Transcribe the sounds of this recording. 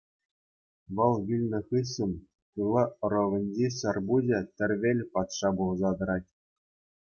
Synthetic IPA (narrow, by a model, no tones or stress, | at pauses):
ʋɤ̆lˠʋʲilʲnʲɘ̆χɯsʲːɘ̆m | kɯlˠɤɤ̆ɾɤ̆ʋʲɘ̆nʲdisɑrbudʲet̪ʲɘ̆rʲʋʲelʲpɑt̪ʂɑbulˠzɑd̪ɤ̆ɾɑtʲ